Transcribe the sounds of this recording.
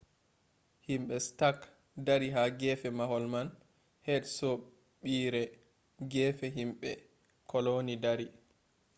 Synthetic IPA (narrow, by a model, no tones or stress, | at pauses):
himɓɛstak | daɾiɦaɡɛfɛmahɔlman | hɛdsɔ | ɓiːɾɛ | ɡɛːfɛɦimɓɛ | kʰɔlonidaɾi